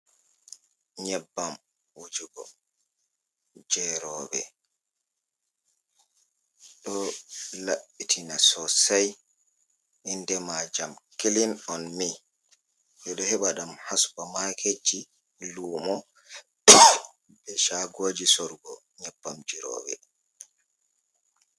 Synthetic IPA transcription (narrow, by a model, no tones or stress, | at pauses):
ɲɛbːam | wud͡ʒuɡɔ̰ | d͡ʒɛɾɔɓɛ̰ | ɗɔlaɓːitʰinasɔsaj | ʔindɛmad͡ʒamkilinɔnmi | jɔɗɔhɛɓaɗamhasbamakʰed͡ʒi | luːmɔ | bɛʃaɡoːd͡ʒisɔɾɡɔ | ɲapːamd͡ʒiɾɔ̰ːɓɛ̰